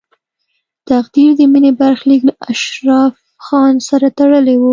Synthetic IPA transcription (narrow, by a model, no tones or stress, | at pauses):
t̪axd̪iɾd̪əminebaɾxliklaʔaʃɾɑf | xɑnsaɾat̪aɽəlewu